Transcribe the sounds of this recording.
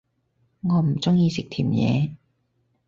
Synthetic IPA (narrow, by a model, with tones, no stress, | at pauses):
ŋɔː˨˧m̩˨˩t͡sʊ˥ŋjiː˨˧sɪ˨k̚t̪ʰiː˨˩mjɛ̰ː˨˧